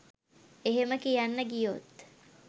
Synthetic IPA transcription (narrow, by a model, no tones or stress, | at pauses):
eɦeməkijanːəɡijot̪